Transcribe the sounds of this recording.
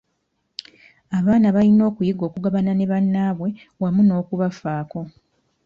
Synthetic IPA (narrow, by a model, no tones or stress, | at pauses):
aβaːnaβalino̞ːkujiɡo̞ːkuɡaβanane̞βanːaːβwe̞ | wamuno̞ːkuβafaːko̞